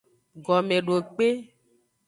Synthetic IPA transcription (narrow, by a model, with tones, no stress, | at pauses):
ɡɔ˨mẽ˨ɖo˨k͡pe˦